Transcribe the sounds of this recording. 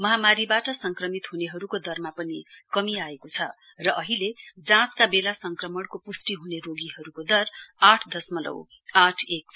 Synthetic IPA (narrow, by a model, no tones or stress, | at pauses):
mʌɦamaɾibaʈʌsʌŋkrʌmit̪ɦuneɦʌɾukod̪ʌrmapʌnikʌmiaekot͡sʰʌ | rʌʔʌɦiled͡zãt͡skabelasʌŋkrʌmʌɽkopusʈiɦuneroɡiɦʌɾukod̪ʌraʈʰd̪ʌsmʌlʌ̰w | aʈʰek̚s